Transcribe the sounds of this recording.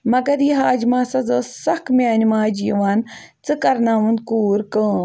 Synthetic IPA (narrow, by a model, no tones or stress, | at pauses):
mɐɡɐɾiɦaːd͡ʒmaːsɐzɐsɐkmʲaːnʲmaːd͡ʒjiʋaːnt͡sɨkɐɾnaːʋund̪kuːɾkəː